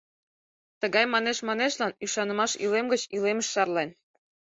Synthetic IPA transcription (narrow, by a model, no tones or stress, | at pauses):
t̪əɣɑjmɑneʃmɑneʃlɑnyʃɑnə̆mɑʃilemɡət͡ɕileməʃːɑrlen